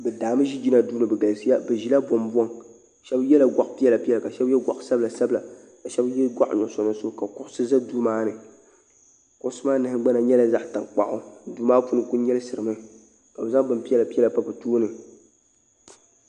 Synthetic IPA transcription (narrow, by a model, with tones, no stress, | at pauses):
bɛ˨daː˨mɨ˦ʒi˦d͡ʒi˦na˨duː˦nɨ˨bɛ˨ɡa˨lsi˦ja˦bɛ˨ʒi˨la˦bɔ˨mbɔ˦ŋ | ʃɛ˦bjɛ˦la˨ɡʷa˨ʔpi˦ɛ˦la˨pi˦ɛ˦la˨ka˨ʃɛ˦bjɛ˦ɡʷa̰˨ʔsa˦bla˨sa˦bla˨ | ka˨ʃɛ˦bjɛ˦lɡʷa˦ʔɲɔ˨sɔ˨nɨ˦so˦ka˨kʊ˨ʔsɨ˦za˦duː˦maː˦nɨ˨ | kʊ˦ʔsɨ˦maː˦nɨ˨hɪ˦ɡ͡ba˦na˨ɲɛ˦la˦za˦ʔta˨ŋk͡pa˨ʔʊ˦duː˦maː˦pu˦nɨ˦ku˦n˦ɲɛ˦lɨ˦sɨ˨ɾɨ˨mɨ˦ | ka˨bɛ˨za˦ŋbɨ˨mpi˦ɛ˦la˨pi˦jɛ˦la˨pa˦bɨ˨toː˦nɨ˨